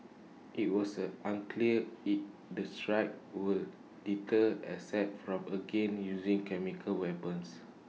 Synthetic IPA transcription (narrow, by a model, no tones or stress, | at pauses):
ʔit̚wɔsəãnkʰliəit̚ | dəstɹaɪk̚wil | ditəɛsɛt̚fɹɔ̃məɡẽnjuzĩŋkɛmikʰəlwɛpə̃ns